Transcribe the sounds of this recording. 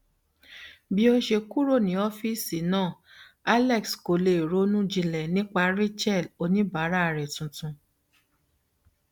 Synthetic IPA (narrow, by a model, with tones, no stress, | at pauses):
bi˦o˧ʃe˧ku˦ɾo˦˨nĩ˨˦ɔ˦fi˦˨si˨nãː˦˨ | a˦lɛ˦˨ksko˨le˨ɾo˨˦nũ˦d͡ʒĩ˧lɛ˨nĩ˦k͡pa˧ɾe˦t͡ʃɛ˦˨lo˧nĩ˦ba˨˦ɾa˦˨ɾɛ˨tũ˨tũ˧